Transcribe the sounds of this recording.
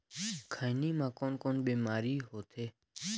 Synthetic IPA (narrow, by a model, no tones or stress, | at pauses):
kʰaːniːmãːkoːnkoːnɓeːmaːɾiːɦoːt̪ʰeː